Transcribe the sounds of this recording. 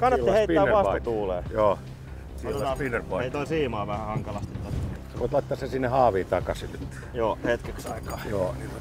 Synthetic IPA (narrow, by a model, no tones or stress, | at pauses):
kɑnːɑːeeeit̪ːæːʋʋɑst̪uːleːjoː | silpinːerpoeit̪oisiːmɑːʋæhæhɑŋkɑlɑst̪it̪t̪osʋi | koˑit̪lɑˑit̪ːɑːsesinːehɑːʋiːnt̪ɑkɑsinyt̪ː | joːhet̪keksɑikɑːjoːnino